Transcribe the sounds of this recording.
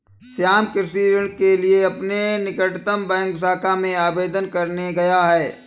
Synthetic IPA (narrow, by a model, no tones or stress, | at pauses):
sjaːmkɪɾsiːɾəɽ̃kelieɐpnenɪkəʈt̪əmbɛ̃ːŋksaːkamẽaːbeːd̪ənkɐɾneɡɐjaɦɛː